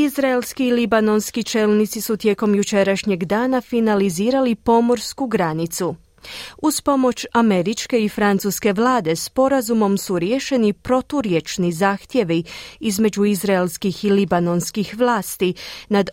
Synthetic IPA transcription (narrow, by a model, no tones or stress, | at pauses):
izɾaelskiːlibano̞nskit͡ʃeːlˠnit̪sisut̪je̞ko̞mjut͡ʃe̞ɾaʃɲe̞ɡd̪aːnafinaliziːɾalipo̞mo̞ɾskuɡɾanit̪su | uspo̞mo̞t͡ʃame̞ɾit͡ʃke̞ifɾant̪suske̞ʋlˠaːd̪e̞spo̞ɾazumo̞msuɾjeːʃe̞nipɾo̞t̪uɾje̞t͡ʃnizaːxt̪je̞ʋiizme̞d͡ʑuizɾaelskixilibano̞nskixʋlˠaːst̪inad̪